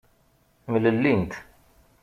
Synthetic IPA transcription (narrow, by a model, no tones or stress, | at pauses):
mələlːint̪